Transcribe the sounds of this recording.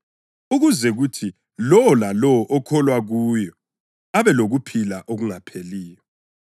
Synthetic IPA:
uɣuzɛɣutʰi | lɔɔlalɔɔʔɔkʰɔlwaɣuːjɔ | aβɛloɣupʰilaʔoɣuŋapʰeliːjɔ

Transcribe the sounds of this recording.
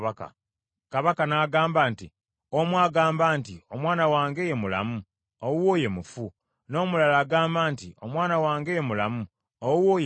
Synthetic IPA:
aka̰ | kaβakanaːɡaːmbaːnti | omwaːɡaːmbaːntio̞mwaːnawaːŋɡe̞je̞mula̰mu | owoːje̞mufu | no̞ːmulalaːɡaːmbaːntio̞mwaːnawaːŋɡejemula̰mu | owwoːj

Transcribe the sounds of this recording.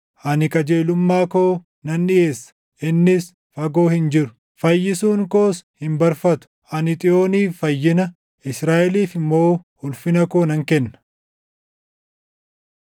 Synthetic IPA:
ʔɐnɪkʼɐd͡ʒeːlʊmːaːkoː | nɐnːɪʔeːsːɐ̥ | ʔɪnːɪs | fɐɡo̞ːhɪnd͡ʒɪɾʊ̥ | fɐjːɪsuːŋkoːshɪmbɐɾfɐt̪ʊ̥ʔɐnɪt̪ʼɪʔoːniːffɐjːɪnɐ | ɪsɾaːʔɛliːfɪmːo̞ːhʊlfɪnɐkoːnɐŋkɛnːɐ̥

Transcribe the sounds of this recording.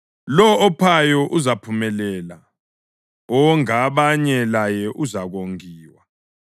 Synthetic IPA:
lɔːpʰajɔʔuzapʰumɛlɛːla | ɔŋaβaɲɛlajɛʔuzaɣoŋiːwa

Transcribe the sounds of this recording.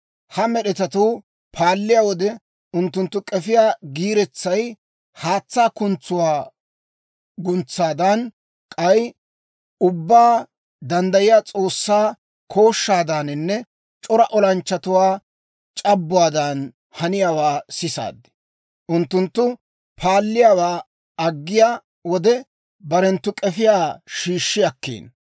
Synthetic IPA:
hɐmɛɗɛt̪ɐt̪uː | pʰaːlːɪjaːwɔd̪ɛ | ʔʊnt̪ːʊnt̪ːʊkʼɛfɪjaːɡiːɾɛt͡sːɐj | haːt͡sːaːkʊnt͡sːʊwaː | ɡʊnt͡sːaːd̪ɐn | kʼɐj | ʊbːaː | d̪ɐnd̪ɐjɪjaːt͡sʼo̞ːsːaː | kʰo̞ːʃːaːd̪ɐnɪnːɛ | t͡ʃʼɔɾɐʔɔlɐnt͡ʃːɐt̪ʊwaː | t͡ʃʼɐbːʊwaːd̪ɐn | hɐnɪjaːwaːsɪsa̰ːd̪ːɪ̥ | ʔʊnt̪ːʊnt̪ːʊ | pʰaːlːɪjaːwaː | ɐɡːɪjaː | wɔd̪ɛ | bɐɾɛnt̪ːʊkʼɛfɪjaːʃiːʃːɪjɐkːḛːn

